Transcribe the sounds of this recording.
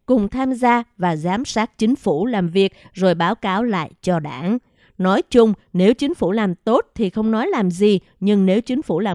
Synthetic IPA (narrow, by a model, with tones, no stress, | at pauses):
kʊ˨˩ŋ͡mt̪ʰaː˧mzaː˧vaː˨˩zaː˨˦msaː˦˥k̚t͡ɕï˨˦ŋ̟fu˧˩laː˨˩mvi˨˩ək̚zo˨˩jɓaː˨˦wkaː˨˦wla̰ː˧˨jt͡ɕɔ˧ɗaː˧˩n | nɔ˨˦jt͡ɕʊ˧ŋ͡mne˨˦wt͡ɕï˨˦ŋ̟fṵ˧˩laː˨˩mt̪o˦˥t̚t̪ʰi˨˩xə˧wŋ͡mnɔ˨˦jlaː˨˩mzi˨˩ | ɲɨ˧ŋne˨˦wt͡ɕï˨˦ŋ̟fṵ˧˩laː˨˩